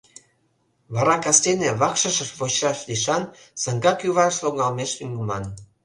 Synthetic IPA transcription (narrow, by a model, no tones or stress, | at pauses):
βɑɾɑkɑst̪eneβɑkʃəʃəʃβoɕrɑʃliʃɑn | sɑŋɡɑkjuβɑʃloŋɑlmeʃyŋɡumɑn